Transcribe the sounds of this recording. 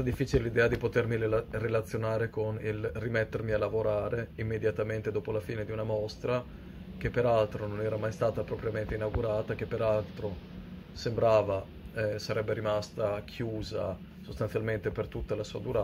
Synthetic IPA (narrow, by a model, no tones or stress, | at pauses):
ad̪ifːiːt͡ʃilelid̪ɛːad̪ipot̪ermirelat̪sːjonaːɾekonilrimet̪ːermialavoɾaːɾeimːed̪jat̪ament̪ed̪oːpolafiːned̪iunamost̪ɾa | k̟epːeɾalt̪ɾononɛːɾamajst̪aːt̪apɾɔpɾjament̪einawɡuɾaːt̪akepːeɾalt̪ɾo | sembɾaːva | ɛsaɾɛbːeɾimast̪akʰjuːza̰ | sost̪ansjalment̪epert̪ut̪ːalasuːad̪uɾa